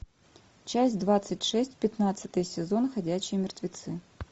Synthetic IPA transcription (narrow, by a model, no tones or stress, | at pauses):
t͡ɕæsʲtʲd̪vat̪sɨtʲʂɛsʲtʲpʲɪt̪nat̪sɨt̪əjəsʲɪzo̞nxɐdʲæɕːɪjəmʲɪrt̪vʲɪt̪sɨ